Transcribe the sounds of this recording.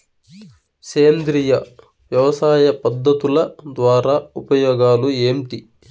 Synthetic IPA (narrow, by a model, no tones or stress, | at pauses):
seːnd̪ɾijɐ | ʋjɐʋɐsaːjɐpɐd̪ːɐt̪ulɐd̪ʋaːɾaːupɐjɔːɡaːlueːmʈi